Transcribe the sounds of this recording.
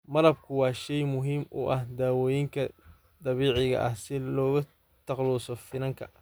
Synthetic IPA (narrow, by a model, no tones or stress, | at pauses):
mɐɾɐb̚kʰʊwɑːʃɛjmʊɦiːmʔʊ̰ʔɐhd̪aːwɔːjɪŋkʰɐ | d̪ɑβiːʕɪɣɐ̰ʔɐhsɪlɔːɣɐ | t̪ʰɑqlɔːsɔfɪnɐŋkʰɐ̰